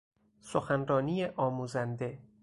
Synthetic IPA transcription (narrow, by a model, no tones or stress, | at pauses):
soxænɾɒːniːjeʔɒːmuːzænd̪e̞